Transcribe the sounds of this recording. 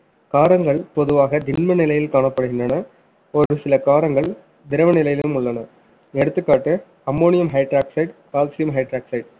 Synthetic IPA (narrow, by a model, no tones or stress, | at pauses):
kaːɾɐŋɡɐɭpɔðɯʋaːɣɐd̪ɪnmɐnɪlɐjɪlkaːɳɐpːɐɽɯɣɪndrɐnɐ | ɔɾɯsɪlɐkaːɾɐŋɡɐɭ | d̪ɪɾɐʋɐnɪlɐjɪlɯmʊɭːɐnɐ | ɛɽɯt̪ːɯkːaːʈːɯ | ɐmːoːnɪjɐmɦɐɪʈɾaːksɐɪʈkaːlsɪjɐmɦɐɪʈɾaːksɐɪʈ